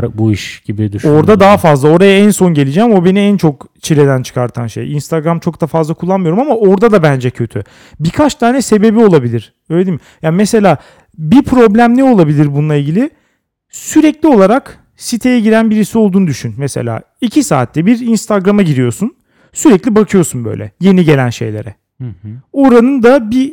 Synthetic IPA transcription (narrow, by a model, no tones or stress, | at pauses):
buiʃɟ̥ibid̪yoɾd̪ad̪aɦafazlˠao̞ɾajaænso̞nɟe̞lʲid͡ʒæmo̞be̞niænt͡ʃʰo̞kt͡ʃʰilʲe̞d̪ænt͡ʃʰɯ̥kʰaɾt̪ʰanʃḛjinst̪ʰaɡɾamt͡ʃʰo̞k̚d̪afazlˠakʰulˠːanmɯjo̞ɾumamao̞ɾd̪ad̪abænd͡ʒɛcʰø̞t̪ʰy̰ | bikʰat͡ʃt̪ʰaːnɛse̞be̞bio̞lˠabilʲiɾ̥ | øjled̪imɪjaːnmese̞lʲaː | bipʰɾo̞blʲæmlʲio̞lˠabilʲiɾbunulˠailʲɟilʲɪ | syɾɛclʲio̞lˠaɾak | sit̪ʰejɛɟiɾænbiɾisio̞lˠd̪uːnud̪yʃynmɛsḛlʲa̰ː | icʰisa̰ːt̪ʰːɛbiɾinst̪ʰaɡɾamaɟiɾijosun | syɾɛclʲibakʰɯjo̞sunbø̰jlʲɛ̰je̞niɟe̞lʲænʃejlʲeɾɛ | o̞ɾanɯnd̪abi